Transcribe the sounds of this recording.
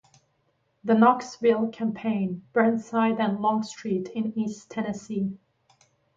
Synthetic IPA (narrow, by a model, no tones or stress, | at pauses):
ðənɑksvɪlˠkʰæ̃mpʰẽɪ̃nb̥ɜ̃˞nsaɪɾɨ̃nlɔ̃ŋstɹ̥iɾɪ̃nistʰɛnɨsi